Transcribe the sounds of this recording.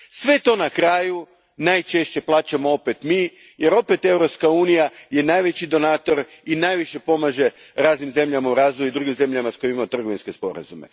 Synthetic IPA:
sʋe̞t̪o̞nakɾaːju | najt͡ʃe̞ʃt͡ɕe̞plˠaːt͡ɕamo̞o̞pet̪mi | je̞ɾo̞pe̞t̪e̞wɾo̞pskauːnijaje̞najʋe̞t͡ɕid̪o̞naːt̪o̞ɾ | inajʋiʃe̞po̞maːʒe̞ | ɾaːznimze̞mʎamauɾaːzʋojuid̪ɾuɡimze̞mʎamasko̞jemimamot̪r̩ɡo̞ʋinske̞spo̞̰ɾa̰zume̞̰

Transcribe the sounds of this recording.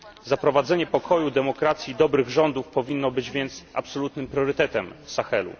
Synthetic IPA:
zapɾɔvad̪zɛɲɛpɔkʰɔjud̪ɛmɔkɾat̪sʲjid̪ɔbɾɘɣʐɔnd̪ufpɔvʲinːɔbɘd͡ʑvʲjɛnt̪sa̰psɔlut̪nɘmpɾʲjɔɾɘt̪ɛt̪ɛmsaxɛlṵ

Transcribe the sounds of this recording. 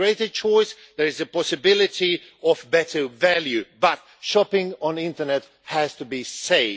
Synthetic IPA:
ɹeɪtə˞t͡ʃʰɔɪs | ðə˞ɨzəpɔsɨbɪlˠɪti | ɔvbɛtə˞vælˠjʉbʌt̚ | ʃɑpɪ̃ŋə̃nɪ̃ntə˞nɛt̚ | hæz̥təbiseɪ

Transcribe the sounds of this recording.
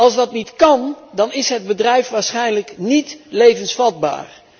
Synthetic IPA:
ɑlˠzdɑtnitkɑndɑnɪsɦəd̚bədrɛjfʋaːɹsχɛjnləknitlejvənsfɑd̚ba̰ːr

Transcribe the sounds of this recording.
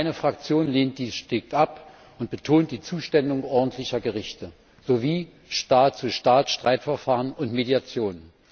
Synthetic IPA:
aɪnəfʁ̥ak̚t͡sjoːnleːnt̚d̥iːsʃtɪk̚tʔap | ʊnt̚b̥ətʰoːnt̚d̥iːt͡suːʃtɛndʊŋʔɔɐdn̩tʰlɪçɐɡəʁɪçtə | z̥oviː | ʃtaːtt͡suʃtaːtʃtʁ̥aɪtfɛɐfaːʁənʊntmediat͡sjoːnən

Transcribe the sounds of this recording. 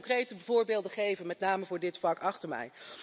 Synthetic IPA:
krejtəbəvʊːɹbeːlˠdəχejvənmɛtnaːməvʊːɹdɪtflɑkɑχtəɹmɛ̰j

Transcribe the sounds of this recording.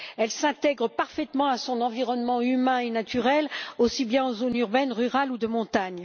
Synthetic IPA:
ɛlsɛ̃t̪ɛɡʁəpaʁfɛt̪mɑ̃asɔ̃nɑ̃viʁɔnmɑ̃ymɛ̃enat̪ʰyʁɛlosibjɛ̃ɑ̃zonyʁbɛnʁyʁalud̪əmɔ̃t̪aɲ

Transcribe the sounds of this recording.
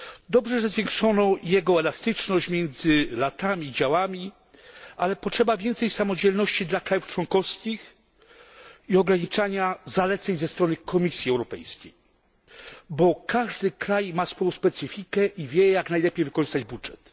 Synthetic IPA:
d̪ɔbʐɛʐɛzvʲjɛŋkʂɔnɔjɛɡɔɛlast̪ɘt͡ʂnɔɕt͡ɕmʲjɛnd̪zɘlat̪amʲid͡ʑawamʲi | alɛpɔtʂɛbavʲjɛnt̪sɛjsamɔd͡ʑɛlnɔɕt͡ɕid̪lakɾajuft͡ʂwɔŋkɔfskʲix | iɔɡɾaɲit͡ʂaɲazalɛt̪sɛɲzɛst̪ɾɔnɘkɔmʲisʲjiɛwɾɔpɛ̰jskʲḛj | bɔkaʐd̪ɘkɾajmasfɔjɔ̃wspɛt̪sɘfʲikɛʔivʲjɛjaknajlɛpʲejvɘkɔʐɘst̪ad͡ʑbudʐɛt̪

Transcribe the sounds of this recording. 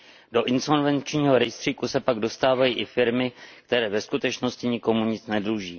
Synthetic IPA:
do̞ʔɪnso̞nvɛnt͡ʃɲiːɦo̞ɾɛjst̪r̥iːkusɛpaɡdo̞st̪aːvajiːʔɪfɪɾmɪk̚t̪ɛɾɛːvɛskut̪ɛt͡ʃno̞scɪɲɪko̞muɲɪt͡snɛdɾuːʒiː

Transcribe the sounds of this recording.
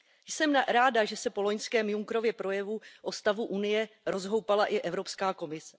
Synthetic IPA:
jsɛmɾaːdaʒɛsɛpo̞lo̞ɲskɛːmjuŋkɾo̞vjɛpɾo̞jɛvuʔo̞st̪avuʔunɪjɛɾo̞zɦo̞wpalaʔɪʔɛvɾo̞pskaːko̞mɪsɛ̥

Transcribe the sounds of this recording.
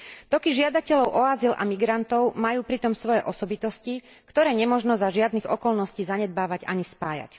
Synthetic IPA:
t̪ɔkiʒɪad̪acɛʎɔʊʔɔazila̰miɡɾant̪ɔʊmajuːpɾit̪ɔmsʋɔjɛʔɔsɔbit̪ɔsci | kt̪ɔɾɛːɲɛmɔʒnɔzaʒɪad̪niɣɔkɔlnɔsciːzaɲɛd̪̚baːʋaɟa̰ɲispaːja̰c

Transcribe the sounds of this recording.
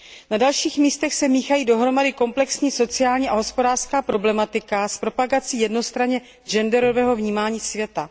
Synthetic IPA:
nadalʃiːxmiːst̪ɛxsɛmiːxajiːdo̞ɦɾo̞madɪko̞mplɛksɲiːso̞t͡sɪaːlɲiːʔaɦo̞spo̞daːr̥skaːpɾo̞blɛmat̪ɪkaspɾo̞paɡat͡siːjɛdno̞st̪ɾaɲɛ | d͡ʒɛndɛɾo̞vɛːɦo̞vɲiːmaːɲiːsvjɛt̪a

